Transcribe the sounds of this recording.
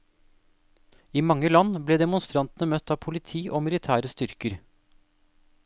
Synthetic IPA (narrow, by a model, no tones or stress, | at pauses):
iːmɑŋːəlɑnːbleːd̪ɛmʊnst̪ɾɑnt̪ənəmœt̪ʰːɑːʋpʰʊlɪt̪ʰiːʔoːmɪlɪt̪ʰæːɾəst̪ʏɾkəɾ